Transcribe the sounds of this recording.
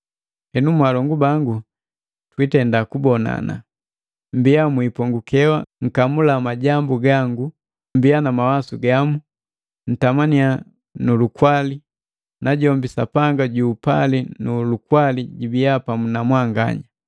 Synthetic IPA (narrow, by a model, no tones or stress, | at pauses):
hɛnumwalɔŋɡubaŋɡu | twitɛndakubɔna̰na̰ | mbiamwipɔŋɡukɛwaŋ̩kamulamaɟambuɡaŋɡu | mbianamawasuɡamu | n̩tamania | nulukwali | nʔaɟɔmbisapaŋɡaɟuːpa̰linulukwaliɟibijapamunamwaŋɡa̰ɲa